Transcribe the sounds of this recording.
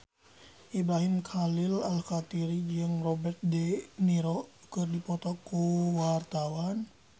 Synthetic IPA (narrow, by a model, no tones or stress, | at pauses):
ʔibɾaɦimkʰalilalxat̪iɾid͡ʒɨŋrɔbɛrt̪̚dɛniɾɔ | kɨrdipɔt̪ɔkːuwart̪awan